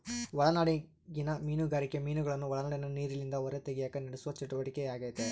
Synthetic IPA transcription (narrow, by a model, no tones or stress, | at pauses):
ʋɐɭɐnaːɽi | ɡinɐmiːnuɡaːɾikːemiːnuɡɐɭɐnːuʋɔɭɐnaːɽinɐniːɾilind̪ɐɔɾet̪eɡɛjaːkɐnɐɽesuʋɐt͡ʃɐʈːuʋɐʈikɛjaːɡɐːt̪e